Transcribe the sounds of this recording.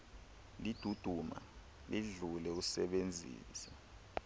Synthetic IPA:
lid̥ʱud̥ʱuma̰ | liɮulɛusɛɓend͡zʱḭːsɛ

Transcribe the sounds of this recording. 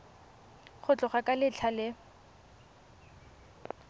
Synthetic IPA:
χʊt͡ɬʼʊχakʼalɪt͡ɬʰalɪ

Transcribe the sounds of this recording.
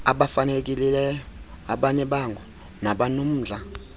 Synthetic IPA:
aɓafanek̬ʼililɛjɔ | aɓaɲɛɓaŋɡʱɔ | naɓanum̩ːd͡ɮʱa

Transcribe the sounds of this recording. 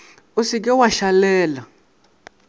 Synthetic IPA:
usik̬ʼɛwaʃalɛːla

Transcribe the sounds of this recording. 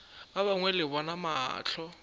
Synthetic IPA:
aβaŋwɛlɪbɔnama̰ːt͡ɬʰɔ

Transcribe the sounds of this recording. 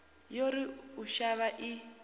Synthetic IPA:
joɾiuʃaβaʔi

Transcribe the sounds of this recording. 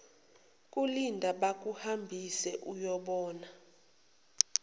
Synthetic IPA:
kʼulindʱaɓak̬ʼuhambʱisɛʔujɔɓɔːna

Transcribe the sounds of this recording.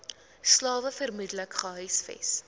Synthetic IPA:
slɑːvəfərmudələkχəɦœɥsfɛ̰s

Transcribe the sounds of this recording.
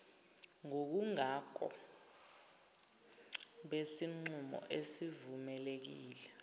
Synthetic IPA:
ŋok̬uŋakʰɔ̰ | ɓesiŋ͡ǀumɔ̰ʔesivumɛlek̬iːlɛ

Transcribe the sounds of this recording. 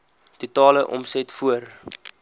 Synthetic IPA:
tutɑːləʔɔ̰msɛtfuər

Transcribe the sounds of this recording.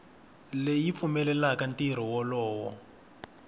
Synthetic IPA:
lejip̪fumɛlɛlakantiɾ̤ɔwɔlɔːwɔ̰

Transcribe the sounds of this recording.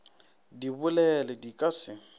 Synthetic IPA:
dibʊlɛlɛdikʼasɪ

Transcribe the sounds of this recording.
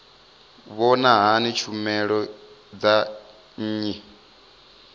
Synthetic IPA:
βɔnaɦanit͡ʃʰumɛɺɔd͡za | ɲ̩ːɲi

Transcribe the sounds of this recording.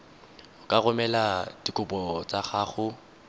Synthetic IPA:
ʊkʼaɣʊmɛladikʼʊbɔt͡sʼaχaːχʊ

